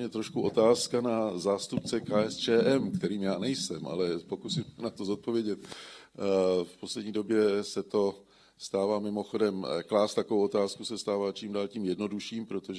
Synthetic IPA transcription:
ɲɛt̪ɾo̞ʃkuʔo̞t̪aːskanazaːst̪upt͡sɛkaːɛst͡ʃɛːʔɛmkt̪ɛɾiːmjaːnɛjsɛmʔa̰lɛpo̞kusimsɛnat̪o̞zot̪̚po̞vjɛɟɛt̪̚ | fpo̞slɛdɲiːdo̞bjɛsɛt̪o̞ | st̪aːvaːmɪmo̞xo̞dɛmklaːst̪akovowo̞t̪aːskusɛst̪aːvaːt͡ʃiːmdaːlciːmjɛdno̞duʃiːmpɾot̪oʒ

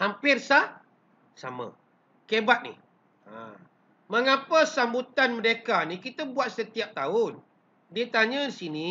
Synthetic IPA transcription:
hampɪrsah | sa̰ma̰ | kebat̪̚nḭ | a̰ | məŋapəsambut̪anməɾekanikit̪əbuat̪̚sət̪iap̚t̪aʊn | diət̪aɲədisini

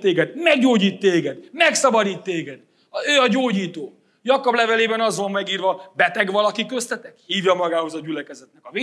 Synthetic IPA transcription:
eːɡɛd̪mɛɡɟoːɟiːt̪ːeːɡɛd̪mɛksɒbɒd̪iːt̪ːeːɡɛd̪ | øːɒɟoːɟiːt̪oː | jɒkoblɛvɛleːbɛnɒzʋommɛɡiːrvɒbɛt̪ɛɡʋɒlɒkikːøst̪ɛt̪ɛkhiːvjɒmɒɡaːho̞zɒɟylɛkɛzɛt̪nɛkɒveː

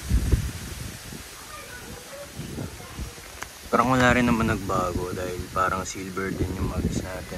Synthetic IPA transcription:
paːɾɐŋwɐlaːɾɪnːɐmɐnɐɡ̚baːɡo̞d̪aːhɪlpaːɾɐŋsilbɛɹd̪ɪnjʊŋmaɡɪsnaːt̪ɛn

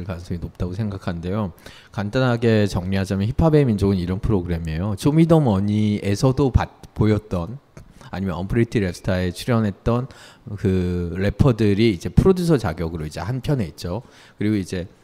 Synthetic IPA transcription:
ɭkansʰoŋinop̚t͈aɡosʰe̞ŋɡakʰannde̞jo | kandanɦaɡe̞t͡ɕʌŋɲiɦad͡ʑamjʌnçipʰabemind͡ʑoɡɯniɾʌnpʰɯɾoɡɯɾe̞me̞jot͡ɕomidʌmʌɲiesʰʌdopat̚pojʌt̚t͈ʌna̰ɲimjʌnʌ̰mpʰɯɾitʰiɾe̞psʰɯ̥tʰae̞t͡ɕʰuɾjʌnɦe̞t̚t͈ʌnkɯɾe̞pʰʌdɯɾiːd͡ʑe̞pʰɯɾodus̬ʰʌt͡ɕaɡjʌɡɯɾoid͡ʑe̞̰hanpʰjʌne̞it̚t͡ɕ͈o | kɯɾiɡoid͡ʑe̞

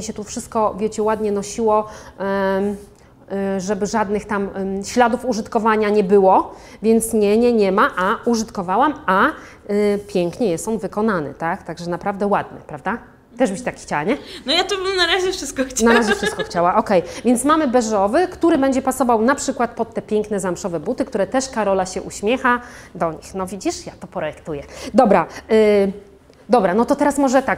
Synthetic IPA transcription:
miɕɛt̪ufʂɘst̪̚kɔvʲjɛt͡ɕɛwad̪ɲɛnɔɕiwɔ | ʐɛbɘʐad̪nɘxt̪amɕlad̪ufuʐɘt̪kɔvaɲaɲɛbɘwɔvʲjɛnt̪sɲɛɲɛɲɛmaʔauʐɨt̪kɔvawama | pʲjɛŋkɲɛjɛst̪ɔnvɘkɔnanɘ̰t̪akt̪aɡʐɛnapɾavd̪ɛwad̪̚ɲɛ̰pɾavd̪a | t̪ɛʐbɘt͡ɕt̪akxt͡ɕawaɲɛnɔjat̪ubɘmnaɾaʑɛfʂɨst̪̚kɔxt͡ɕnaɾaʑɛfʂɨst̪kɔxt͡ɕawaʔɔkɛjvʲjɛnt̪smamɘbɛʐɔvɘkt̪uɾɘbɛɲd͡ʑɛpasɔvawnapʂɘkwat̪̚pɔt̪ːɛpʲjɛŋknɛzamʂɔvɛbut̪ɘkt̪uɾɛt̪ɛʂkaɾɔlaɕɛʔuɕmʲjɛxad̪ɔɲḭxnɔvʲid͡ʑiʂjat̪ɔpɾɔjɛkt̪ujɛd̪ɔbɾa | d̪ɔbɾanɔt̪ɔt̪ɛɾasmɔʐɛt̪ak

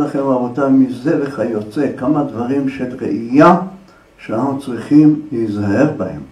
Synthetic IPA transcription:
laχenavot̪amizebeχajo̞t͡sekamad̪vaʁimʃelʁḛʔija | ʃeananut͡sʁiχimleizhahe̞vbahḛm

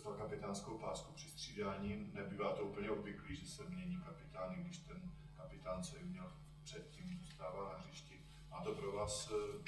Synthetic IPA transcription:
t̪akapɪt̪aːnskowpaːskupr̥ɪst̪r̝̥iːdaːɲiːnɛbiːvaːt̪oupl̩ɲɛobvɪkliːʒɛsɛmɲɛɲiːkapɪt̪aːnɪɡdɪʃt̪ɛn | kapɪt̪aːnt͡sɛbɪmɲɛl | pr̥ɛt̪̚ciːmzost̪aːvaːnaɦrɪʃcɪt̪ | maːt̪opɾovaːs

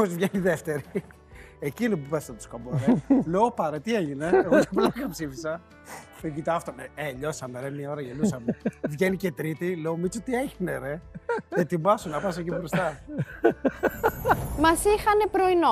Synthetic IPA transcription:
ozvʝeniðeft̪e̞ɾi | ecinopupɐsst̪ɐt̪o̥skoboɾeleopɐɾet̪ieʝine̞eɣt̪ɐplɐkɐpsifisɐ | eɡit̪ɐɐft̪omeeʎo̞sɐmeɾemiɐo̞ɾɐʝelusɐmevʝenicet̪ɾit̪ileomit͡sot̪ieʝineɾeðet̪imɐsonɐpɐs̬ecibɾosɐ | mɐsixɐne̞pɾoino

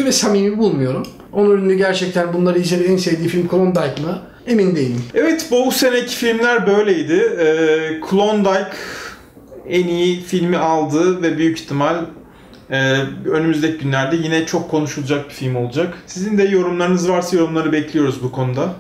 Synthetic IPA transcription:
vɛsamimibulˠmujo̞ɾum | onuɾynd̪yɟæɾt͡ʃʰɛc̚t̪ʰænbunlˠaɾɯizeɾed̪insevd̪iːfilʲmkʰulˠond̪ajkmɯ | e̞mind̪ejilʲimɛvɛt̪bubuse̞necʰi̥filʲmlʲæɾbø̞jlʲejid̪ɪɛːkʰulˠond̪ajk | enijifilʲmialˠd̪ɯːvɛbyjyci̥t̪ʰimalʲ | ɛːø̞nymyzd̪ecʰiɟynlʲæɾd̪ɛjinɛt͡ʃʰo̞kʰːo̞nuʃulˠud͡ʒak̚bifilʲmo̞lˠud͡ʒaksizind̪ɛjo̞ɾumlˠaɾɯnɯzvaɾsajo̞ɾumlˠaɾɯbɛclʲijo̞ɾuzbukʰo̞nud̪a

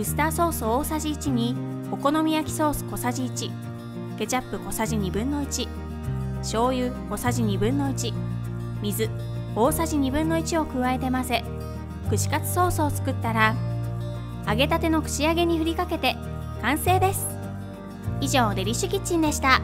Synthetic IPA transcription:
ɯ̟sɨ̥t̪aːso̞ːsooːsaʑiːt͡ɕiɲ̟i | o̞ko̞no̞mʲijakʲi̥so̞ːsɨ̥ko̞saʑiːt͡ɕi | ɡ̥e̞t͡ɕapːɯ̟ko̞saʑiɲ̟ibɯ̟̃nːo̞it͡ɕi | ɕo̞ːjɯ̟ːko̞saʑiɲ̟ibɯ̟̃nːo̞it͡ɕi | mʲizɨ | o̞ːsaʑiɲ̟ibɯ̟̃nːo̞it͡ɕio̞kɯ̟βae̞t̪e̞mase̞ | kɯ̟ɕi̥kat͡sɨ̥so̞ːsoːt͡sɨ̥kɯ̟t̪ːaɾa | aɡe̞t̪at̪e̞no̞kɯ̟̥ɕiaɡe̞ɲ̟iɸɯ̟ɾʲikake̞t̪e̞ | kãɰ̃se̞ːd̪e̞sɨ̥ | iʑo̞ːd̪e̞ɾʲiɕɨkʲit͡ɕːĩnd̪e̞ɕi̥t̪a

